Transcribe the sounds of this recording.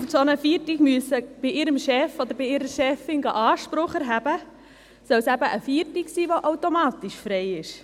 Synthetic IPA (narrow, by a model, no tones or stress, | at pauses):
sonəfiːɾtiɡ̥myəsəb̥iʔɪɾəmʃɛfod̪əɾbiɪɾəɾʃɛfɪnɡɑʔɑːʃpɾʊχəɾɦæbə | sœlsæbəʔəfiːətiksiːʋoʔawtomɑːtiʃfɾɛɪɪʃ